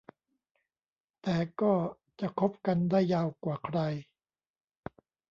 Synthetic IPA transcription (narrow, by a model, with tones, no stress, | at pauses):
t̪ɛː˨˩kɔː˥˩ | t͡ɕa˨˩kʰo˦˥p̚ka˧ndaː˥˩jːaː˧wkwaː˨˩kʰɾa˧j